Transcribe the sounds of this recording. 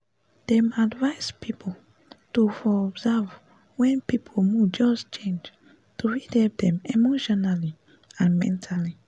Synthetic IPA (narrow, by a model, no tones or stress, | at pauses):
d̥ɛ̃madvaɪspʰipʰo | tufɔɔbzav | wɛ̃npipʰomud͡ʒɔst͡ʃẽnd͡ʒ | tuɹidɛp̚dɛ̃memoʃɔnali | ãnmɛ̰̃ntʰali